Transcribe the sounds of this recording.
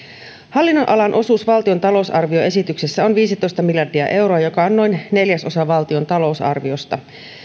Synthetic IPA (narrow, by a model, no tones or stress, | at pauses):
hɑlːinːonʔɑlɑnʔo̞suːsʋɑlt̪io̞nt̪ɑlo̞usɑrʋio̞e̞sit̪yksesːæo̞nʋiːsit̪o̞jst̪ɑmiljɑrdiɑ̰ʔe̞wɾo̞ɑjo̞kɑonːo̞jnne̞ljæso̞sɑʋɑlt̪io̞nt̪ɑlo̞usɑ̰rʋio̞st̪ɑ